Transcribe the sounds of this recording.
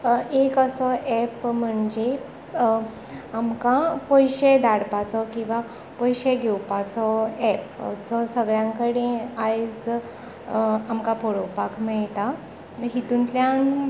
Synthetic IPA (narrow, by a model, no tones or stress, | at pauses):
ekəsɔʔɛpm̤əɳd͡ʑe | amkãpɔjɕed̪aɽpat͡sɔkĩw̃ʋa | pɔjɕeɡʱewpat͡sɔɛp̚d͡zɔsəɡɭjãŋkəɽẽajd͡z | amkapɔɽowpakʰmɛɭʈ̪a | ɦit̪unt̪ljan